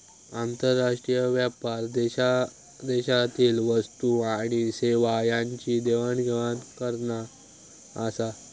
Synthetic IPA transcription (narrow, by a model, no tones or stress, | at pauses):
ant̪əɾːaʂʈɾijəʋjapaɾd̪ɛɕa | d̪eɕat̪iːlʋəst̪uaɽ̃iseʋajãɲt͡ɕiːd̪eʋanɡʱeʋankəɾnaː | sa